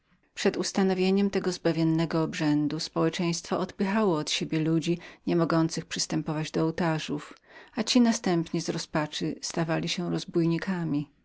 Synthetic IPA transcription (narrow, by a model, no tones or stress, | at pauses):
pʂɛd̪ust̪anɔvʲjeɲɛmt̪ɛɡɔzbavʲjɛnːɛɡɔːbʐɛnd̪uspɔwɛt͡ʂɛj̃st̪fɔɔd̪pɘxawɔːt̪ɕebʲjɛlud͡ʑiɲɛmɔɡɔnt̪sɘxpʂɨst̪ɛmpɔvad͡ʑd̪ɔːwt̪aʐufat͡ɕinast̪ɛmpɲɛzɾɔspat͡ʂɘst̪avalʲiɕɛɾɔzbujɲikʰamʲi